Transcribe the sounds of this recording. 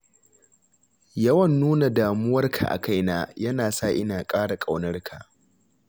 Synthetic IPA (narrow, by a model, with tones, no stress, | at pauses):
jɐ˦wɐ˨nːuː˦na˨daː˨mʊ˦wɐ˦rkʰa̰˨ʔa̰˨ka˦jnaː˦jɐ˦naː˨sa˦˨ʔɪ˦naː˨kʼaː˦ɽa˨kʼa˨wnɐ˦rkʰa˨ʔ